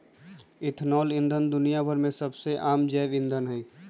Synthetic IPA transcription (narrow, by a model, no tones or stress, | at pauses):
ɪt̪ʰnɔːlɪ̃nd̪ʱənd̪ʊnijabʱəɾmẽsəbseʔaːmd͡ʒɛːʋɪ̃nd̪ʱənɦɛi